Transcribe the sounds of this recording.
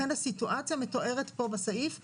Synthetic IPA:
enasituʔat͡sjameto̞ʔe̞ʁetpo̞basaif

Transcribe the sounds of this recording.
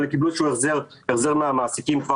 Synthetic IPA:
lekibuʃueχzeʁeχzeʁmeamaːsikimkva

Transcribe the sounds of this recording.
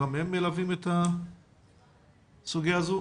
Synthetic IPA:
amemːelavimet̪a | suɡijaazu

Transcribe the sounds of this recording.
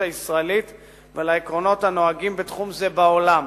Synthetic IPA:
aisʁaelit̪ | velaekʁo̞no̞thano̞aɡimbet̪χumze̞bao̞lam

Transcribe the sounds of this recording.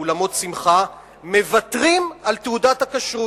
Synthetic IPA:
lamo̞t̪simχa | me̞vat̪ʁimalt̪eudatakaʃʁu

